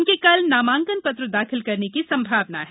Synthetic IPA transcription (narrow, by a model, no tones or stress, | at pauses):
nkekɐlnaːmãːŋkənpɐt̪ɾəd̪aːxʰɪlkɐɾnekisɐ̃mbʱaːʋnaɦɛ